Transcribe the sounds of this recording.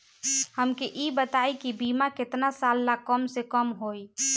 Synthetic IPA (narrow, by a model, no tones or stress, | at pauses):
həmkeʔibət̪ajkibimaket̪nasalːakəmsekəmɦoj